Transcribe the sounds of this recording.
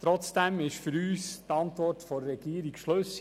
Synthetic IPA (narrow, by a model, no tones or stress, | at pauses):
t̪ɾɔt͡sd̥ɛmɪʃfʏɾyːstɑnt̪ʋɔrtfɔɾːɛɡiəɾikʃløs